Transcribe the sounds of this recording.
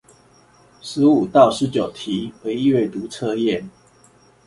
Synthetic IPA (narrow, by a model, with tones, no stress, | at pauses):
ʂɻ̩˨˦u˨˩t̪ɑ˥˨ʊʂɻ̩˨˦t͡ɕjo˨˩ʊt̪ʰi˨˦we˧˦ɪi˥˧we˥˩ɪt̪u˧˥t͡sʰɤ˥˧jɛ˥˨n